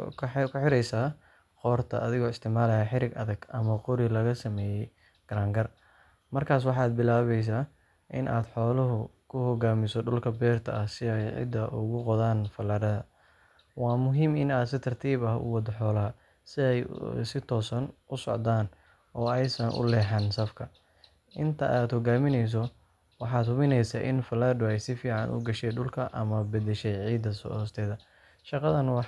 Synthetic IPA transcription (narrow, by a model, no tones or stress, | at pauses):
kʰkʰʊħɪɾɛjsaː | qɔːrt̪ʰɐ̰ʔɐðɪɣɔːɪst̪ʰɪʕmaːlɐjɐħɪɾɪɡʔɐðɐɡʔɐmɐqʊɾɪlɐɣɐsɐmɛːjɛj | ɡ̥ɐɾaːŋɡɐr | mɐrkʰaːs̬wɑħɑːd̪̚bɪlaːβɛjs̬aː | ʔɪ̰nʔa̰ːd̪ħɔːlɐɦʊkʰʊhɔɣaːmɪsɔɖʊlkʰɐbɛːrt̪ʰɐʔɐhsɪɛjʕɪ̰d̪ːɐʔʊɣʊqɔðaːnfɐlɐɾɐðɐ | wɑːmʊɦiːmɪnaːd̪sɪt̪ʰɐrt̪ʰiːβɐɦʊ̰wɑd̪ɐħɔːlɐɦɐ | sɪɛjsɪt̪ʰɔːsɐnʊsɔ̰ʕd̪aːn | ɔːɛjsɐnʔʊ̰lɛːħɛnsɐfkʰɐ | ʔɪnt̪ʰɐ̰ʔaːd̪hɔɣaːmɪnɛjs̬ɔ | wɑħɑːd̪hʊmɪnɛjsaːʔɪnfɐlaːɖʊɛjsɪfiːʕɑnʔʊ̰ɡɐʃɛjɖʊlkʰɐʔɐmɐbɐd̪ɛʃɛjʕiːd̪ɐsɔ̰ɔːst̪ʰɛːðɐ | ʃɑqɑðɐnwɑ